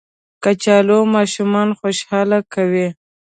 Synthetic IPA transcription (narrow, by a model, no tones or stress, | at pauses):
kat͡ʃɑlomɑʃumɑnxoʃhɑlakawi